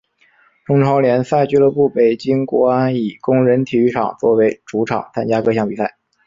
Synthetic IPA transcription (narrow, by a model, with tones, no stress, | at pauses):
ʈ͡ʂʊ˥ŋʈ͡ʂʰɑ˧˥ʊljɛ˧˥nsa˥˧ɪt͡ɕy˥lɤ˧˥pu˥˩pe˨˩ɪt͡ɕi˥ŋkwɔ̰˧˥a˥ni˨˩kʊ˥ŋɻə˧˥nt̪ʰi˨˩y˥ʈ͡ʂʰɑ̰˨˩ŋt͡swɔ˥˩we˧˥ɪʈ͡ʂu˧˥ʈ͡ʂʰɑ̰˨˩ŋt͡sʰa˥nt͡ɕja˥kɤ˥˧ɕjɑ˥˩ŋpi˨˩sa˥˩ɪ